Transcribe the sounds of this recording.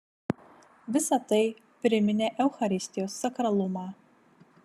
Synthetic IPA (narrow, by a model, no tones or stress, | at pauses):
ʋʲɪsɐt̪ɐɪ | pʲɾʲɪmʲɪnʲeʔɛʊxɐɾʲɪsʲt̪ʲɪjoːsːɐkɾɐlˠʊmɑː